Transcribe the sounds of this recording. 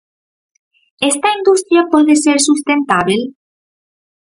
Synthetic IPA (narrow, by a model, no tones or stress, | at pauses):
est̪aind̪ust̪ɾjapweðeseɾsust̪ẽnt̪aβil